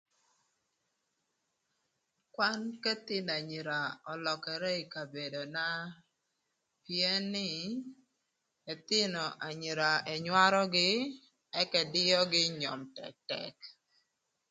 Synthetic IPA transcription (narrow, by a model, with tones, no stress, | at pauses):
kwa˦nkɛ˦t̪ɪ˦na˨ɲi˨ɾa˨ɔ˨lɔ˨kɛ˨ɾɛ˦i˨ka˨be˨do˨na˦ | pje˦nːɪ˦˨ | ɛ˨t̪ɪ˦nɔ˨ʔa˨ɲi˨ɾa˨e˨ɲwa˦ɾɔ˦ɡɪ˦ | ɛ˦kɛ˨dɪ˦jɔ˦ɡɪ˦ɲɔ˨mtɛ̰˨k̚tɛ̰˨k